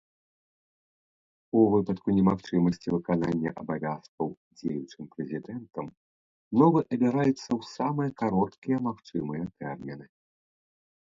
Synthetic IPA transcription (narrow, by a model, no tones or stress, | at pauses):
uvɨpɐt̪kunʲɛmaxt͡ʂɨmɐsʲt͡sʲivɨkananʲːɐ̰ʔɐbavʲaskɐw | d͡zʲejut͡ʂɨmpɾɛzʲid̪ɛnt̪ɐm | nɔvɨʔɐbʲɛɾajɛt̪sːɐwsamɨjɐkaɾɔt̪kʲijɐmaxt͡ʂɨmɨjɐt̪ɛrmʲinɨ